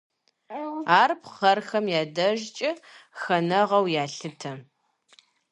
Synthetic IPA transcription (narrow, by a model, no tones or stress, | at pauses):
aːrpχɐrxɐmjaːdɐʒt͡ʃʼɪxɐnɐʁɐwjaːɬɨtʰɐ